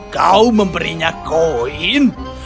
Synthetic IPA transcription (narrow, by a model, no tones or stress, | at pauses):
kawməmpəɾiɲakoin